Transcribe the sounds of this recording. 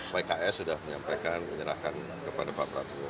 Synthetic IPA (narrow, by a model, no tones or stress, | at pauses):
bajkaɛsudahməɲampajkanməɲəɾa̰hkan | kəpadapapɾa̰t̪u